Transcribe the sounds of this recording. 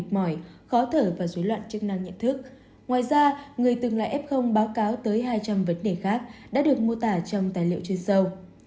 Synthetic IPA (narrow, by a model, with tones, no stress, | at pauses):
t̚mɔ˧˩jxɔ˨˦t̪ʰəː˧˩vaː˨˩zu˨˦jlwa̰ː˧˨nt͡ɕɨ˦˥ək̚na˧ŋɲə̰˧˨nt̪ʰɨ˦˥k̚ | ŋwaː˨˩jzaː˧ŋɨ˨˩əjt̪ɨ˨˩ŋla̰ː˧˨ʔɛ˦˥p̚xə˧wŋ͡mɓaː˨˦wkaː˨˦wt̪əː˨˦jɦaː˧jt͡ɕa˧mvə˨˦nɗe˧˩xaː˦˥k̚ɗa̰ː˧˥ɗɨ˨˩ək̚mo˧t̪aː˧˩t͡ɕɔ˧wŋ͡mt̪aː˨˩jlḭ˧˨əwt͡ɕwi˧nsə˧w